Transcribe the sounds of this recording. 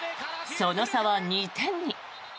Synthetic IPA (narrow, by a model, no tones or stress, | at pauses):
sonosaβaɲit̪ʰẽ̞ɲ̟ːi